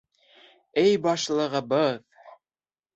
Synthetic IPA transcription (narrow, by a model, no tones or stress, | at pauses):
ɘjbɑʃlˠɤ̆ʁɤ̆bɤð